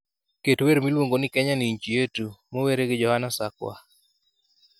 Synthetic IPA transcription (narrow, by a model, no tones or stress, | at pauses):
ketweɾmilwoŋɡonɪkɛɲaniɲt͡ʃijetumoweɾeɡɪd͡ʒɔhanasakwa̰